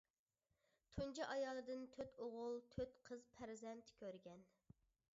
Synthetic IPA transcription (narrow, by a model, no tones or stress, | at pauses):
t̪ʰund͡ʒɑʔɑjɑːlˠɨd̪ɨnt̪ʰøt̪ʰoʁʊlˠt̪ʰøt̪qʰəzpʰæɾzɛnt̪kʲʰøɾɡʲɛn